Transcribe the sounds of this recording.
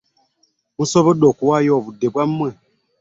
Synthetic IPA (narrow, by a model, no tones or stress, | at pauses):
musɔbəɗɔkuwajɔbudebamɛ